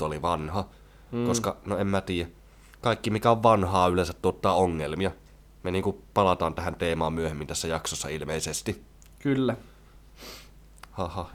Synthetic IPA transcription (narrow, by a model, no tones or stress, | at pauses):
oliʋɑnhɑ | koskɑnoemmæt̪iːjæ | kɑˑikːimikæoʋʋɑnhɑːylensæt̪t̪uot̪ːɑːoŋːelmiɑ | meniːŋkupɑlɑt̪ɑːnt̪æhænt̪eːmɑːmmyøhemːint̪æsːæjɑksosːɑ̰ilmeisest̪i | kylːæ | hɑhɑh